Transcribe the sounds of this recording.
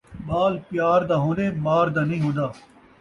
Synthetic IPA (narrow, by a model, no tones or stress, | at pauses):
ɓaːlpjaːɾd̪aːɦõːnd̪eːmaːɾd̪aːnĩːɦõːnd̪aː